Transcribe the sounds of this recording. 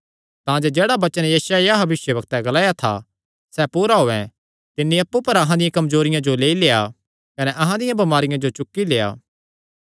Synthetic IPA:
t̪ãːd͡ʒed͡ʒeːɽabɐt͡ʃənjɐːsaɛjabɐʋɪʃjəbɐk̚t̪ɛɡɐlaːjat̪ʰa̰ | sɛːpuːɾaɦoːɛ̰̃ | t̪ɪnːiɐpːupɐɾɐɦãd̪ɪjãkɐmzoːɾɪjãd͡ʒoleːileːja̰ | kɐnɛʔɐɦãd̪ɪjãbɐmaːɾɪjãd͡ʒot͡ʃʊkːileːa̰ː

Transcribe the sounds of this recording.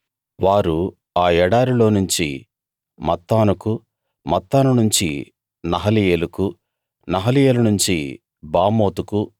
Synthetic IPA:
ʋaːɾu | aːɛɽaːɾilo̞ːnuɲt͡ʃi | mɐt̪ːaːnuku | mɐt̪ːaːnunuɲt͡ʃi | nɐɦɐlijeːluku | nɐɦɐlijeːlunuɲt͡ʃi | baːmo̞ːt̪uku

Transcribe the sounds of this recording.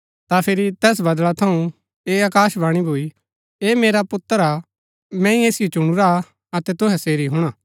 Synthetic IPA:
t̪apʰɪɾit̪ɛːs̬bɐd̪lɭat̪ʰɐũ | eːaːkaːʃbaːɽ̃ibʱoːi | eːmeːɾapʊt̪ːəɾa | mɛ̃ĩeːsɪjot͡ʃʊɽ̃uɾa | ɐt̪ɛt̪ʊɦɛseːɾiɦʊɽ̃aː

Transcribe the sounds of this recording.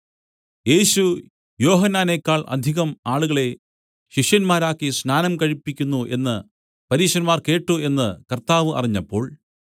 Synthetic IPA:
je̞ːɕu | jo̞ːɦɐnːaːnekːaːɭʔɐ̰d̪ʱiɣɐmaːɭuɣɐɭe̞ | ɕiʂjɐnmaːɾaːkːisnaːnɐmkɐɻipːikʲːunːuʔe̞nːɨ | pɐɾiːɕɐnmaːrke̞ːʈːue̞nːɨkɐrt̪aːʋɨʔɐ̰riɲːɐpːo̞ːɭ

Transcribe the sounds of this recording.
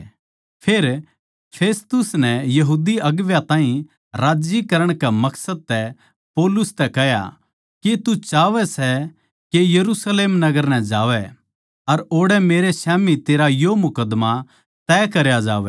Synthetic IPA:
pʰeːɾ | pʰeːst̪ʊsnɛjɐɦuːd̪iɐɡʋjat̪ãːɦĩ | ɾaːd͡ʒikɐɾəɽ̃kamɐksəd̪̚t̪ɛ | poːlʊst̪ɛkɛɦja̰ | ket̪ut͡ʃaːʋɛsɛ | kejɐɾusleːmnɐɡəɾnɛd͡ʒaːʋɛ | ɐɾoːɽɛmeːɾesɛːmit̪eːɾajomʊkəd̪ma | t̪ɛːkɐɾjad͡ʒa̰ːʋɛ̰

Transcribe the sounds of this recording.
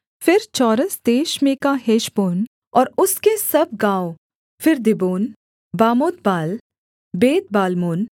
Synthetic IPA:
fɪɾt͡ʃɔːɾəsd̪eːʃmẽkaɦeːʃboːn | ɔːɾʊskesɐb̚ɡãːo | fɪɾd̪ɪboːn | baːmoːt̪baːl | beːt̪̚baːlmoːn

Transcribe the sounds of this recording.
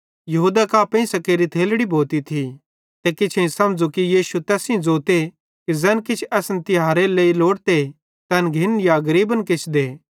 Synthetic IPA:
jɐɦuːd̪akaːpẽĩsɐkeːɾit̪ʰeːlɽibʱoːt̪it̪ʰi | t̪ekɪt͡ʃʰẽĩsɐmd͡zokijiːʃut̪ɛːsĩd͡zoːt̪e | kizɛːnkɪt͡ʃʰɛːsnt̪ɪɦaːɾeleːiloːɽt̪e | t̪ɛnɡʱɪnjaɡɐɾiːbənkɪt͡ʃʰd̪eː

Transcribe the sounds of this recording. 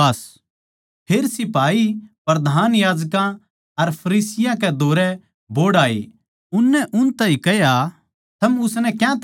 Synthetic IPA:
ɐs | pʰeːɾsɪpaːipɾɐd̪ʱaːnjaːd͡ʒkã | ɐɾpʰɐɾiːsɪjãkɛd̪ʱoːɾɛ | boːɽaːḛː | ʊnːɛʔʊnt̪aĩkɛja | t̪ʰɐmʊsnɛkjãt̪

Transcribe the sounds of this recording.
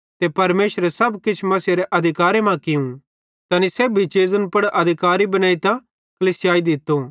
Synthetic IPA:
t̪epɐɾmeːʃɾɛsɐbkɪt͡ʃʰmɐsiɾeʔɐd̪ʱɪkaːɾemãkɪũ | t̪ɐniseːbʱit͡ʃeːzənpɐɽʔɐd̪ʱɪkaːɾibɐnaːit̪ã | kɐliːsɪjaːid̪ɪt̪ːo

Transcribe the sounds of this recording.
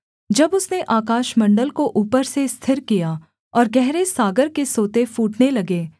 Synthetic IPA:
d͡ʒɐbʊsneʔaːkaːʃmɐ̃ɳɖəlkoʔuːpəɾsest̪ʰɪɾkija | ɔːɾɡɛɦɾesaːɡəɾkesoːt̪efuːʈnelɐɡeː

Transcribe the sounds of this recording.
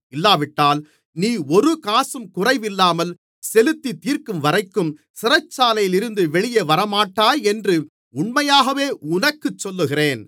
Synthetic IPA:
ɪlːaːʋɪʈːaːl | niːɔɾɯkaːsɯmkʊrɐɪʋɪlːaːmɐl | sɛlɯt̪ːit̪iːrkɯmʋɐɾɐɪkːɯm | sɪrɐt͡ʃːaːlɐjɪlɪɾɯnd̪ɯʋɛɭɪjɐʋɐɾɐmaːʈːaːjɛndrɯ | ʊɳmɐjaːɣɐʋeːʊnɐkːɯt͡ʃːɔlːɯɣɪreːn

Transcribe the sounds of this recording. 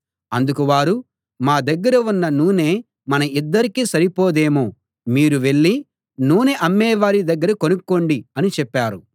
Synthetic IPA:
ɐnd̪ukuʋaːɾu | maːd̪ɐɡːɐɾɐunːɐnuːne̞ː | mɐnɐid̪ːɐɾikiːsɐɾipɔːd̪e̞ːmu | miːɾuʋe̞ɭːi | nuːneʔɐmːɛːʋaːɾid̪ɐɡːɐɾɐkonukːoɳɖiɐnit͡ʃɛpːaːɾu

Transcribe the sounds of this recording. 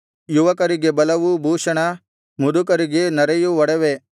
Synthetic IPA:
juʋɐkɐɾiɡe̞bɐlɐʋubʱuːʂɐɳɐ | mud̪ukɐɾiɡe̞nɐɾɐjuʋɔɽɐʋe

